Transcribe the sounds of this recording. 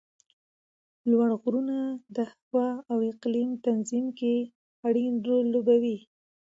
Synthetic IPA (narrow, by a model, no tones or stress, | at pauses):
lwaɳɣɾunad̪əhawɑːwɪqlimt̪anzimke | aɽinolːobawi